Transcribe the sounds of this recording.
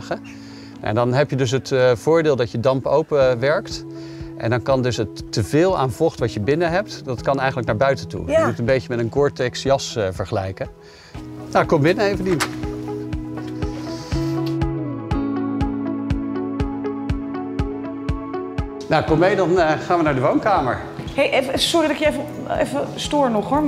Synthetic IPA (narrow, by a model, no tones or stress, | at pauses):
χə | ʔɛ̰ndɑnɦɛpjədɵs̬ɦətv̥ʊːɹdɪːlˠdɑtjədɑmpowpəʋɛɹkt | ʔɛ̰ndɑnkɑndɵsətːəvɪːlˠa̰ːnv̥ɔχtʋɑtjəbɪnəɦɛp̚tdɑtkɑnɛjχənləknaːɹbœɥtəntṵəmutənbejcəmɛtənkɔɹtɛksjɑsvəɹχəlɛjkə | nakɔmbɪnəejvənin | nakɔmejdɑnχaːnʋənaːɹdəʋownkaːmə̰ɹ | ɦejʔefsɔridɑkjəefə | ḛfəstʊːɹnɔχɦoɹ